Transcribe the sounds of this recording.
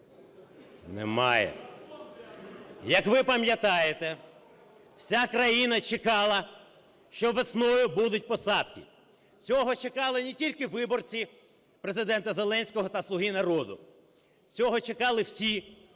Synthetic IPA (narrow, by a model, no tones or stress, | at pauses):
nɛ̰mɑ̰jɛ̰ | jɐkʋɪpɐmʲjɐt̪ɑjet̪ɛ | w̥sʲakɾɐjinɐt͡ʃekɑlˠɐ | ʃt͡ʃɔʋesnɔjʊbud̪ʊt̚ʲpɔsɑd̪kɪ̰ | t͡sʲɔɦɔt͡ʃekɑlˠɪnʲetʲilʲkɪʋɪbɔrt͡sʲi | pɾezɪd̪ɛnt̪ɐzelˠɛnʲsʲkɔɦɔt̪ɐslˠʊɦinɐɾɔd̪ʊ̰ | t͡sʲɔɦɔt͡ʃekɑlˠɪwsʲi